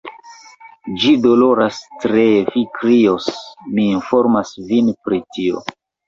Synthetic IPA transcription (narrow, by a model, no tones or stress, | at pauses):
d͡ʒido̞lo̞ɾastɾefikɾiosmiːnfo̞ɾmasvinpɾitio̰